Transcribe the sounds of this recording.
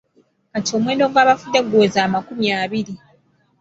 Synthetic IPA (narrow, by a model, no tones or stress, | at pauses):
katio̞ːmweːndo̞ɡwaːβafud̪eɡoːzaːmakumjaːβiɾi